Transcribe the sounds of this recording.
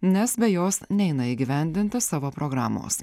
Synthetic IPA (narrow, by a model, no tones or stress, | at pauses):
nʲɛsbʲɛjoːsnʲɛɪnɐɪːɡʲɪʋʲɛˑnʲd̪ʲɪnʲt̪ʲɪsɑːʋoːpɾoːɡɾɑːmo̰ːs